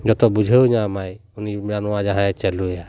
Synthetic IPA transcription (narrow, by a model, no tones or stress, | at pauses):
d͡ʒɔt̪ɔbud͡ʒʱəwɲamajunimanɔwad͡ʒaɦãɛt͡ʃɛluja